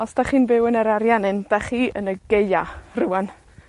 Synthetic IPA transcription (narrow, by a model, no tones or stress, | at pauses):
ɔsd̥aχiːnbɪwənəɾaɾjanɪnd̥aχiːʔə̰nəɡejaruwan